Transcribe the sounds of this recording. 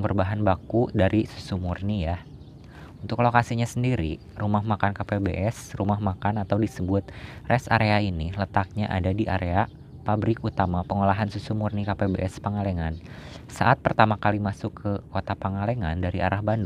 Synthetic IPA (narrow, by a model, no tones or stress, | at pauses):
bərbaɦanbakudaɾʔisu̥sumurnija | unt̪ʊklokasiɲasəndiɾḭ | rumahmakankapebḛʔɛsrumahmakanat̪awdisəbʊt̪̚rʔɛsa̰ɾeainilət̪ak̚ɲaʔa̰dadiʔaɾea | pabɾɪkut̪amapəŋolaɦansusumurnikapebḛʔɛspəŋalɛŋansa̰ʔat̪̚pərt̪amakalimasʊkʰːəkot̪apaŋalɛŋandaɾiaɾahbandu